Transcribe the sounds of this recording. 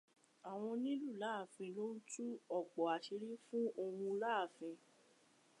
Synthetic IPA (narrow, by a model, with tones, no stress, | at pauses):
a˨w̃ɔ̃˧nĩ˦lu˦˨la˦˨fĩ˧lo˦n̩˦tu˦ɔ˦˨k͡pɔ˨a˨ʃi˧ɾi˦fũ˦o˧wũ˧la˦˨fĩ˧